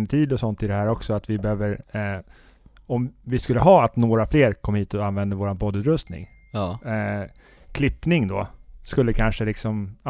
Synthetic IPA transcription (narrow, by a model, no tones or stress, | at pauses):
nt̪ʰiːd̪ɔsɔnt̪ɪd̪ɛhæːɾɔksɔat̪vɪbɛhøːvəɾ | ɔmvɪskɵlːəɦɑːat̪noːɾafleːɾkʰɔmhiːt̪ɔanvɛnd̪əvoːɾanpʰɔd̪ːʉːt̪ɾɵst̪nɪ̰ŋ | kʰlɪpnɪŋd̪oskɵlːəkʰanʂəlɪksɔm